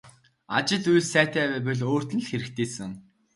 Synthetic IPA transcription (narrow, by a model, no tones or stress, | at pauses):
a̰t͡ɕɪ̆ɮujɮsæːt̪æːpæːp̬ɘ̆ɮoːr̥t̪ɘ̆nɮxeɾɘ̆k̚t̪ʰeːsɘ̆ŋ